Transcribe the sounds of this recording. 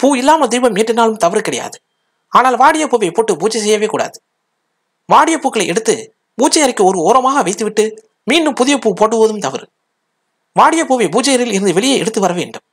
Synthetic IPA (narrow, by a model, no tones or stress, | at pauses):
puːɪlːaːmɐd̪ɛjbɐmɪʈrɪnaːlɯmt̪ɐʋɐɾkɪɽɐja̰ːðɯ | aːnaːlʋaːɽɪjɐpoːʋɐɪpoːʈːɯbuːt͡ʃːɐs̬ɛjːɐʋeːkuːɽa̰ːðɯ | ʋaːɽɪjɐpuːkːɐɭɐɪʔɛɽɯt̪ːɯ | puːt͡ʃːɐjɐɾɪkːɯɔɾɯoːɾɐmaːɣɐʋɐɪt̪ːɯʋɪʈːɯ | miːnɯmpʊðɪjɐpuːpoːʈːɯʋoːðɯmt̪ɐʋɪ̰ɾ | ʋaːɽɪjɐpoːʋɐbuːt͡ʃːɐjɐɾɪlɪɾɯnd̪ɯʋɛɭɪjɐɛɽɯt̪ːɯʋɐɾɐʋḛːɳɖɯm